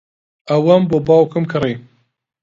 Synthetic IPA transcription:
ɐwɐmbobɑːwkɨmkʰɨri

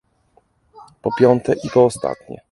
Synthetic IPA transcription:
pɔpʲjɔnt̪ɛʔipɔːst̪a̰t̪ɲɛ̰

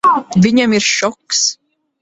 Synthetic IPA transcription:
vʲiɲamiɾʃɔks

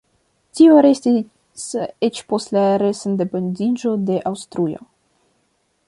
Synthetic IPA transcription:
tioɾe̞sti | set͡ʃpo̞stlaɾesendependid͡ʒo̞de̞ʔawstɾujo̰

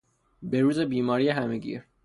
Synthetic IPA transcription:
be̞ɾuːzebiːmɒːɾijeɦæmeɡḭːɾ

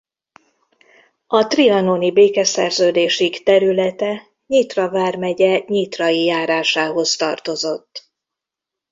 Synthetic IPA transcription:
ɒt̪riɒnonibeːkɛsɛ̰rzøːd̪eːʃikt̪ɛɾylɛt̪ɛ | ɲit̪rɒvaːrmɛɟɛɲit̪rɒjijaːɾaːʃaːɦo̞st̪ɒrt̪o̞zo̞t̪ː

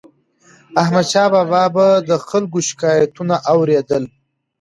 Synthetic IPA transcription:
ahmad̪ʃɑbabɑbad̪əxalɡoʃɪ̥kɑjat̪unaʔawɾed̪əl

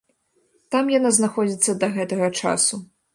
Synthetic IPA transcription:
t̪amjanaznaxɔd͡zʲit̪sːɐd̪ɐɣɛt̪ɐɣɐt͡ʂa̰su

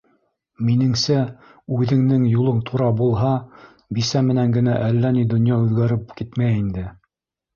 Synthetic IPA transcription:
minɘ̆ŋsæ | ʉðɘ̆ŋnɘŋjulˠɤɴt̪ʰuɾɑbulˠɦɑ | bisæmɘ̆næŋɡɘ̆næʔælːænid̪ŏnjɑʉðɡæɾɘp̚kit̪mæjind̪ɘ

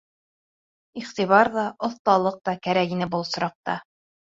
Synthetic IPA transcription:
iχt̪iβɑɾðɑŏθt̪ɑlˠɤq̚t̪ɑkæɾækinɘbulˠsŏɾɑq̚t̪ɑ

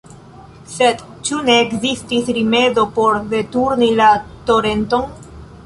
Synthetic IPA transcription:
se̞d | t͡ʃune̞ːkzistisɾime̞do̞po̞ɾve̞tuɾnilato̞ɾe̞nto̞n

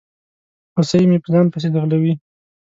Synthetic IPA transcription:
osajmepəzɑnpəs̬ed̪əɣlawi

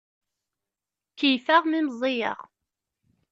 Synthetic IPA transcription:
kːijfæʁmiməzˤejə̰ʁ

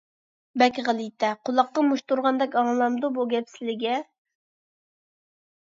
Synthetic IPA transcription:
bɛkʲʁælˠɨjt̪ʰɛqʰolˠɑqːɑmuʃt̪uɾʁɑnd̪ɛkʲɑŋlˠɑmd̪ubuɡʲɛpsɪlɪɡʲɛ

